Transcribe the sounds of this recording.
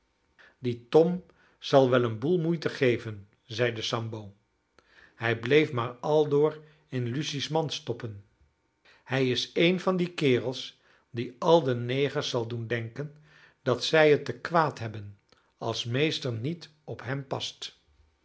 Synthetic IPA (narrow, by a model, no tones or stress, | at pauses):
ditɔm | z̥ɑlˠʋɛlənbulˠmujtəχejvən | zɛjdəsɑmbow | hɛjblejfmaːɹɑlˠdʊːr | ɪnlysismɑnstɔpən | hɛjɪsejnvɑndikɪːrəlˠs | diɑlˠdənejχəɹsɑlˠdundɛŋkən | d̥ɑtsɛjɦətːəkʋaːtɦɛbən | ɑlˠsmejstəɹnit | ɔpɦɛmpɑst